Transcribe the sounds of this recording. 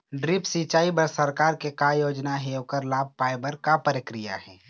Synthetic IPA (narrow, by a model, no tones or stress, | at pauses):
ɖɾipsit͡ʃaːibəɾsəɾkaːɾkekajoːd͡ʒnaɦeokəɾlaːb̚ʱpaːɪbəɾkapəɾɪkɾija̰ɦɛː